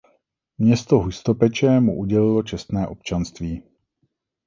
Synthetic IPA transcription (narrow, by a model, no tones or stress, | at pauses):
mɲɛst̪oɦust̪opɛt͡ʃɛmuʔuɟɛlɪlot͡ʃɛst̪nɛːʔop̚t͡ʃanst̪viː